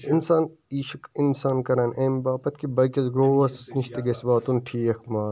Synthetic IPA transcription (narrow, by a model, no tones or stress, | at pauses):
insaːniːʃɐkinsaːnkɐɾɐːnʔeːmbaːpɐt̪kibɐkʲɐzɡɾoːʋɐssniʃt̪eɡesbaːt̪unʈʰiːɐkmaː